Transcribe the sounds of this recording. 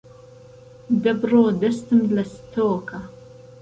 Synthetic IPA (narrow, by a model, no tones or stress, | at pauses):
d̪ɐbroːd̪ɐst̪ɨmlɐst̪ʰoːkʰɐ